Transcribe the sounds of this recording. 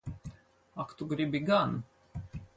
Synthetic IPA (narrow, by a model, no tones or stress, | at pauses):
akt̪uɡɾibiɡan